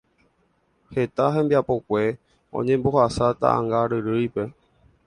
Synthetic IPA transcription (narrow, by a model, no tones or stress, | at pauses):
he̞t̪aɦẽ̞mbiapo̞kʷe̞ | õ̰ɲẽ̞mbohasat̪a̰ã̰ŋɡaɾɨɾɨjpe̞